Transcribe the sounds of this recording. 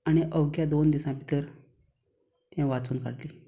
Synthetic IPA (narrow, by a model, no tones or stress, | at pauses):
aɽ̃iʔəwɡjad̪ond̪isãpit̪əɾ | t̪jãʋat͡suːnka̰ɽliː